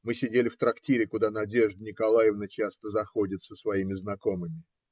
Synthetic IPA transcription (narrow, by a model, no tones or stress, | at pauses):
mɨsʲɪdʲelʲɪft̪ɾɐktʲiɾʲɪkʊd̪anɐdʲe̞ʐd̪nʲɪkɐlˠajɪvnət͡ɕast̪əzɐxo̞dʲɪt̪səsvɐimʲɪznɐko̞mɨmʲɪ